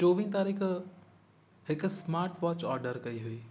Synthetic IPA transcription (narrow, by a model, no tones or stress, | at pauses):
t͡ɕoːʋiːnt̪aːɾiːx | hɪk̆smaːɾʈʋɔːt͡ɕɔːɾɖəɾkɐiɦʊiː